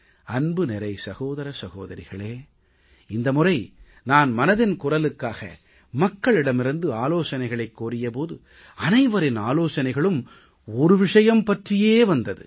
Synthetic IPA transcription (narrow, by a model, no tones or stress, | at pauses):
ɐnbɯnɛɾɐɪsɐɣoːðɐɾɐsɐɣoːðɐɾɪɣɐɭeː | ɪnd̪ɐmʊrɐɪ | naːnmɐnɐðɪnkʊrɐlɯkːaːɣɐ̰ | mɐkːɐɭɪɽɐmɪɾɯnd̪ɯaːloːsɐnɐɪɣɐɭɐɪkːoːɾɪjɐp̬oːðɯ | ɐnɐɪʋɐɾɪnaːloːsɐnɐɪɣɐɭɯm | ɔɾɯʋɪʂɐjɐmpɐʈrɪjeːʋɐnd̪ɐðɯ̰